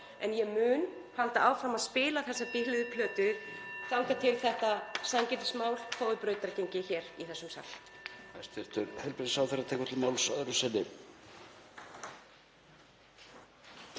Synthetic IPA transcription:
ɛnjɛmʏːn | halt̪aawfɾamaðspɪːlaθɛsːapɪhlɪðʏpʰlœːt̪ʏt̪awcat̪ʰɪlθɛht̪asancɛːt̪ɪ̥smaːwlfʰoðʏpɾœːɥt̪aɾcejɲcɪçɛːɾiθɛsːʏmsa̰k̪ | ast̪ɛɾ̥t̪ʰʏɾhɛlpɾɪnsawθɛrat̪ʰɛːkat̪lɪlmaːwlsœðɾʏsɛnːɪ

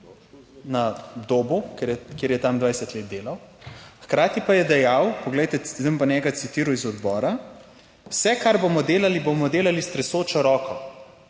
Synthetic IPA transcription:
nad̪oːbukkjeːɾjɛt̪amd̪ʋajsɛt̪leːt̪d̪eːlawxkɾaːt̪ipajɛd̪ɛjawpɔɡlɛjt̪ɛzəmpanʲɛɡat̪sit̪iːɾuizɔd̪bɔːɾa | wsɛkaɾbomɔd̪eːlalibomɔd̪eːlalist̪ɾɛsoːt͡ʃɔɾɔːkɔ

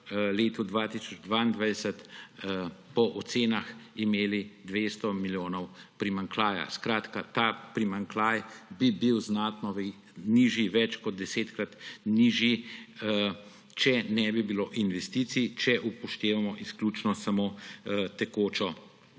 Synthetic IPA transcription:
leːt̪ud̪ʋat̪isɔd͡ʒd̪ʋaːind̪ʋajd̪ɛsət̪ | pɔʔɔt̪seːnaximeːlid̪ʋeːst̪ɔmiljoːnɔwpɾimaŋklaːja̰skɾaːt̪kat̪apɾimaŋklaːjbibiwznat̪nɔʋ | niʒiʋɛt͡ʃkɔd̪̚d̪ɛseːt̪kɾat̪niːʒji | t͡ʃɛnɛbibiloːʔinʋɛst̪it̪sit͡ʃɛʔupɔʃt̪eːʋamɔʔisklʲut͡ʃnɔsamoːt̪ɛkoːt͡ʃɔ

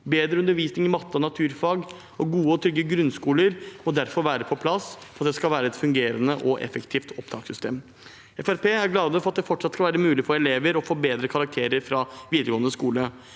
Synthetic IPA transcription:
beːd̪ɾəʉnəɾʋiːsnɪŋɪmɑt̪ːəɔnɑt̪ʰʉːɾfɑːɡ | ɔɡuːəɔt̪ʰɾʏɡːəɡɾʉnskuːləɾmɔd̪æɾfɔɾʋæːɾəpʰɔpʰlɑsfɔɾɑt̪̚d̪ɛskɑlʋæːɾəɛt̪fʉŋɡeːɾənəʔɔʔɛ̰fəkt̪ʰiːft̪ʰɔpt̪ʰɑːksʏst̪eːm | ɛfæɾpʰeːæɾɡlɑːd̪əfɔɾɑt̪̚d̪ɛfɔʈːʂɑt̪skɑlʋæːɾəmʉːlɪfɔɾɛleːʋəɾɔfoːbeːd̪ɾəkʰɑɾɑk̚t̪ʰeːɾəɾfɾɑʋiːd̪əɾɡoːənəskuːlə

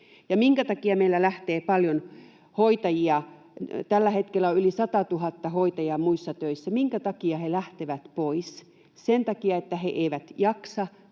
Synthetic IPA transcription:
jɑmiŋkæt̪ɑkiɑmeilːælæht̪eːpɑljon | hoit̪ɑjiɑ | t̪ælːæhet̪kelːˑæoylisɑt̪ɑt̪uhɑt̪ːɑhoit̪ɑjɑmuisːɑt̪øisːæmiŋkæt̪ɑkiɑhelæht̪eʋæt̪pois | sent̪ɑkiɑet̪ːæheʔeiʋæt̪jɑksɑ

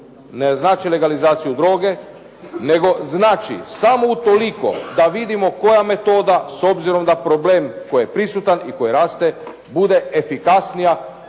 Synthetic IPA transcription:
neznaːt͡ʃile̞ɡalizaːt̪sijud̪ɾo̞ːɡe̞ | ne̞ɡo̞znaːt͡ʃḭsamout̪o̞liko̞̰d̪aʋid̪imo̞ko̞jame̞t̪o̞ːd̪asobziɾo̞md̪apɾo̞ble̞ːmko̞jjepɾisut̪aniko̞jiɾaːst̪e̞ | bud̪e̞efikasnija

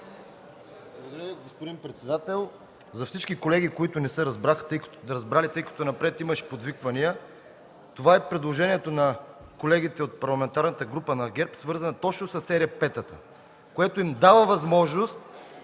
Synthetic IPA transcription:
blˠɐɡod̪ɐɾʲəviɡospod̪impɾɛt̪sɛd̪at̪ɛlˠ | zɐfsit͡ʃkikolɛɡ̟ikoit̪ʊnɛsəɾɐzbɾaxt̪jk̪ɾɐzbɾalit̪ɤjkɐ̥t̪ʊnɐpɾɛt̪iməʃpod̪vikvɐnijə | t̪ovaɛpɾɛd̪lˠoʒɛniɛt̪onɐ | kolɛɡ̟it̪ɛot̪̚pɐɾlˠɐmɛnt̪aɾnət̪əɡɾupənɐɡɛɾpsvɤɾzənɐt̪ɔt͡ʃnʊsɐsːɛɾɛəpɛt̪ət̪ə | koɛt̪oimd̪avəvɐzmɔʒnost̪

